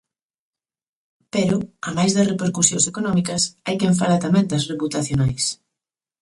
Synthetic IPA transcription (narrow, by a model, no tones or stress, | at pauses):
peɾʊamajzðɐsrepeɾkusjoŋsekonɔmikɐsajkeɱf̬alɐt̪amɛ̃nd̪ɐsreput̪aθjonajs